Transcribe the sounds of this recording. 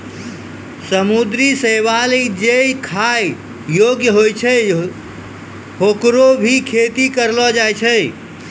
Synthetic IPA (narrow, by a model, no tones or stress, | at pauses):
səmud̪ɾiseʋalid͡ʒejkʰaj | joɡjəɦojt͡ʃʰə | ɦokɾobʱikʰet̪ikəɾlɔd͡ʒajt͡ʃʰə